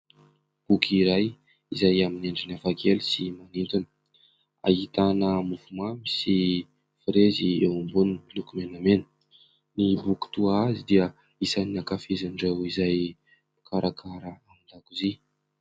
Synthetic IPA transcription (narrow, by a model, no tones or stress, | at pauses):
b̥ukiɾaj | izajamineɳɖ͡ʐinafakʰelisimanint̪unə̥ | a̰it̪anəmufumamisi | fiɾezieumbunnlukumenamenə̥ | nibuku̥t̪uazid̪iə | isaninakafezaɳɖ͡ʐewizaj | u̥kʰaɾʔakʰaɾəamind̪akuzi